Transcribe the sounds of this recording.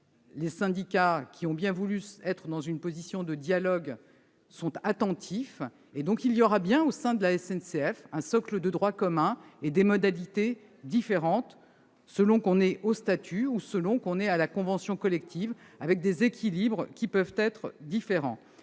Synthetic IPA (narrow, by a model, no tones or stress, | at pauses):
lesɛ̃d̪ikakʲʰiɔ̃bjɛ̃vulyɛt̪χəd̪ɑ̃zynpozisjɔ̃d̪əd̪jalɔɡ | sɔ̃t̪at̪ɑ̃t̪ʰif | ed̪ɔ̃kiljɔʁabjɛ̃osɛ̃d̪əlaɛsɛnseɛfɛ̃sɔkləd̪əd̪ʁwakɔmɛ̃ed̪emɔd̪alit̪e | d̪ifeʁɑ̃t̪ | səlɔ̃kɔ̃nɛʔost̪at̪ʰyusəlɔ̃kɔ̃nɛalakɔ̃vɑ̃sjɔ̃kɔlɛk̚t̪ʰiv | avɛk̚d̪ezekʲʰilibʁkʲipœvt̪ɛt̪χd̪ifeʁɑ̰̃